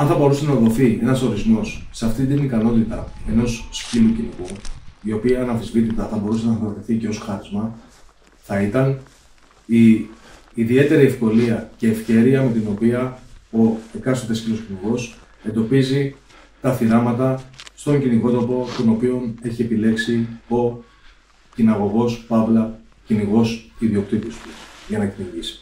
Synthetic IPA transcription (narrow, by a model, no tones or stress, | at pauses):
ɐnθɐbo̞ɾuse̞nɐðo̞θie̞nɐso̞ɾizmo̞sːeɐft̪ind̪inikɐno̞t̪it̪ɐe̞no̞sscilucinikuio̞piɐːnɐfθizvit̪it̪ɐθɐbo̞ɾusenɐðoɾt̪iθice̞o̞sxɐɾizmɐ | θɐit̪ɐn | iː | ðie̞t̪e̞ɾiefko̞liɐce̞ːfçe̞ɾiɐme̞t̪ino̞piɐo̞ekɐst̪ot̪escilo̞sciniɣo̞s | e̞nd̪o̞pizi | t̪ɐθiɾɐmɐt̪ɐst̪o̞ɲɟiniko̞t̪o̞po̞t̪o̞no̞pio̞ne̞çie̞pile̞ksio̞ | cinɐɣo̞ɣo̞spɐvlɐ | ciniɣo̞siðio̞k̚t̪it̪ist̪uʝɐnɐciniʝisi̥